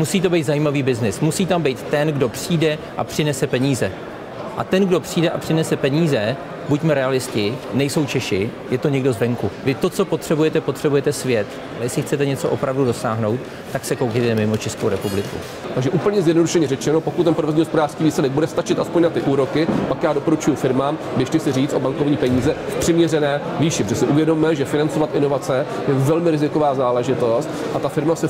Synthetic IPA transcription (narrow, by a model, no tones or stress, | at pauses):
musiːt̪̬o̞bejt̪zajiːmaviːbɪznɪsmusiːt̪ambejt̪t̪ɛnɡdo̞pr̝̥iːdɛ | ʔa̰pr̥ɪnɛsɛpɛɲiːzɛ | ʔa̰t̪ɛnɡdo̞pr̝̥iːdɛʔapr̥ɪnɛsɛpɛɲiːzɛ | bucmɛɾɛalɪscɪnɛjso̞wt͡ʃɛʃɪjɛt̪o̞ɲɛɡdozvɛŋkuvɪt̪o̞tt͡so̞po̞t̪r̝̥ɛbujɛt̪ɛpo̞t̪r̥ɛbujɛt̪ɛsvjɛt̪ | ʔalɛjɛslɪxt͡sɛt̪ɛɲɛt͡soʔo̞pɾavdudosaːɦno̞wt̪ːaksɛkowkit̪ɛmɪmo̞t͡ʃɛskowɾɛpublɪkṵ | t̪aɡʒɛʔuːplɲɛzjɛdnoduʃɛɲɛɾɛt͡ʃɛnopo̞kut̪t̪ːɛnpɾvozɲiːɦospodaːr̥skiːviːslɛdɛɡ̚budɛst̪at͡ʃɪt̪ʔaspoɲnat̪ɪʔuːɾo̞kɪpakjaːdo̞poɾut͡ʃujufɪɾmaːm | dɪʃtɪsɪriːt͡sʔo̞baŋkovɲiːpɛɲiːzɛfpr̝̥ɪmɲɛrɛnɛː | viːʃɪpd͡ʒʒɛsɪʔuvjɛdommɛʒɛfɪnant͡so̞vat̪ʔɪno̞vat͡sɛ | jɛvɛlmɪɾɪzɪko̞vaːzaːlɛʒɪt̪o̞st̪ | ʔat̪afɪɾmasɛ